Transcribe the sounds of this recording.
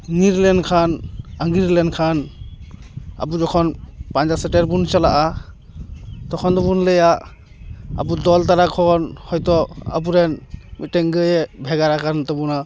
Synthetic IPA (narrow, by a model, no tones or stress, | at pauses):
niɾlɛnkʰanaŋɡiɾlɛnkʰan | a̰bud͡ʒɔkʰɔnpand͡ʒasɛtɛɾbunt͡ʃalaʔa | t̪ɔkʰɔnd̪ɔbunləja | a̰budɔltaɾakʰɔnhɔjtɔa̰buɾɛnmitɛŋɡɯjɛbʱɛɡaɾakʰant̪ɔbuna